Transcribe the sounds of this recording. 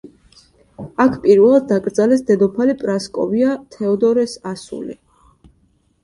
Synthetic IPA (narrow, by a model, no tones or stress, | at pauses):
akʰpʼiɾvɛlˠad̪̚ːakʼɾd̪zalɛsd̪ɛd̪ɔpʰalipʼɾaskʼɔ̰viat̪ʰɛɔd̪ɔɾɛsasṵlḭ